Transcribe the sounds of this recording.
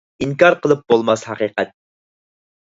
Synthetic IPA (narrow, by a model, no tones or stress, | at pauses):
iŋkɑɾqəlˠɨp̚b̥olˠmɑshɑqiːqɛt̪̚